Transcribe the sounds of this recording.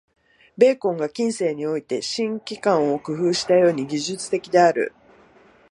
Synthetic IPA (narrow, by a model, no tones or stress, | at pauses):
be̞ːkõ̞ŋɡakʲĩɰ̃se̞ːɲ̟io̞it̪e̞ɕĩŋkʲikãɰ̃o̞kɯ̟ɸɯ̟ːɕi̥t̪ajo̞ːɲ̟iɡʲiʑɨt͡sɨ̥t̪e̞kʲid̪e̞aɾɯ̟̰